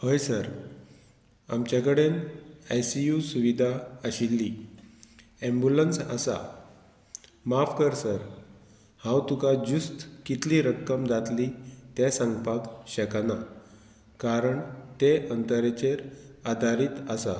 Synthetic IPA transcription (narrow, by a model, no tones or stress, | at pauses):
həjsəɾ | a̰mt͡ɕjakəɽenajsijusuʋid̪ʱaəɕilːi | ẽmbjulənsə̰sa̰ | mafkəɾsəɾ | hãwt̪ukad͡ʑust̪kit̪liɾəkːəmd͡zat̪lit̪jesəŋɡpaɡɕəkna | kaɾəɳt̪eʔənt̪əɾet͡ɕeɾad̪ʱaɾiːt̪əsa̰